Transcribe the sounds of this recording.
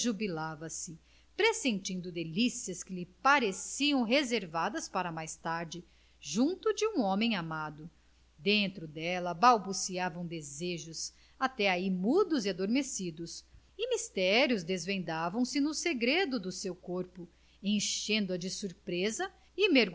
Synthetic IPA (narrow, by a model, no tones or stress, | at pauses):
ʒubilavɐsɪ | pɾesẽnt͡ʃĩnd̪ʊd̪elisiɐskɪlɪpaɾesiɐ̃w̃ɦezeɾvad̪ɐspaɾɐmajst̪aɾd͡ʒɪ | ʒũnt̪ʊd͡ʒɪũõmẽj̃amad̪ʊ | d̪ẽnt̪ɾʊd̪ɛlɐbawbusiavɐ̃w̃d̪ezeʒʊs | at̪ɛaimud̪ʊziad̪oɾmesid̪ʊs | ɪmist̪ɛɾjʊzd̪ezvẽnd̪avɐ̃w̃sɪnʊseɡɾed̪ʊd̪ʊsewkoɾpʊ | ẽʃẽnd̪ɐd͡ʒɪsuɾpɾezɐ | ɪmeɾɡ